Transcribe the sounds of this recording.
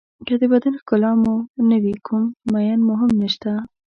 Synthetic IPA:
kad̪əbad̪anxkʊlɑmonəwikʰumːajɑnmʊɦɪmnəʃt̪a

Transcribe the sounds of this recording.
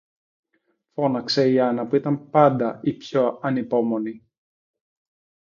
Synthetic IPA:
fo̞nɐkse̞iɐnɐpuit̪ɐmpɐnd̪ɐipçoɐnipo̞mo̞ni

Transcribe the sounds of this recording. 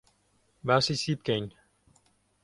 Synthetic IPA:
basisip̚kẽn

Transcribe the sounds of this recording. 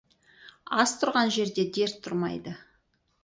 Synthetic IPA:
ɑst̪ʰʊɾʁɑnʒe̞ɾd̪e̞d̪e̞ɾt̪ʰːʊɾmɑ̰jd̪ə

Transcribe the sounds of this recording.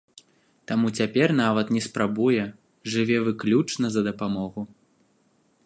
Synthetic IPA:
t̪amut͡sʲapʲɛrn̪avɐt̪nʲɛspɾabujɛ | ʐɨvʲɛvɨklʲut͡ʂnɐzɐd̪ɐpamɔɣu

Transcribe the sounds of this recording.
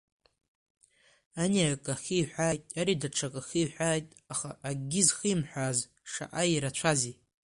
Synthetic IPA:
aniakʼaxʲiħʷᶣaːjtʼaɾidaʈ͡ʂʰakʼaxiħʷaːjtʼ | aχaʔaɡʲɪzχɨmħʷaːz | ʂa̰ʔaiɾat͡ʃʷʰazi

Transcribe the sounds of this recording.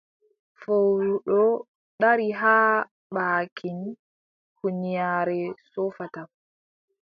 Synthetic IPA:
fowɾuɗɔ | ɗaɾiɦaː | ɓaːkʰin | huɲijaːɾɛsɔfata

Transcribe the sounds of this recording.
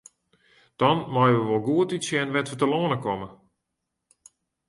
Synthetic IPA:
d̥ɔnmɔjəʋəʋolˠɡuətitsjɛnʋɛtʋətəloːənəkɔmə

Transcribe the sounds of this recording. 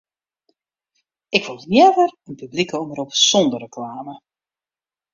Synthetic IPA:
ɪkʋolˠnjɛvərənpyblikəoməɾopsɔndərəklaːmə

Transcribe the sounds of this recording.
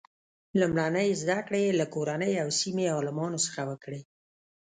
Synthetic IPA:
lumɽanəjzd̪akɽelakoɾanəjawsimeɑlɪmɑnosə̥xawəkɽe

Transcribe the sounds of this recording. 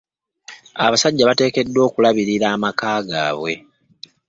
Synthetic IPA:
a̰βasaɟːaβate̞ːke̞dːo̞ːkulaβiɾiɾaːmakaːɡa̰ːβwe̞

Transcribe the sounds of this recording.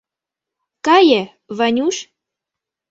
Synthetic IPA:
kɑjə | vɑnʲuʃ

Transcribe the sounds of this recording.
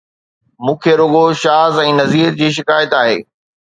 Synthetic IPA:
mũːkʰeɾoːɠoʃaːzɛ̃ːnɐziːɾd͡ʑiːʃ̬ɪkaːjət̪aːɦḛː

